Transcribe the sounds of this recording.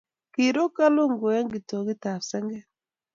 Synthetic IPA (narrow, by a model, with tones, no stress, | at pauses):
ki˨ɾo˦ka˦lo˦ŋɡo˨ɛ˦ŋɡi˨to˨ɣi˦ta˨sɛ˦ŋɡɛ˦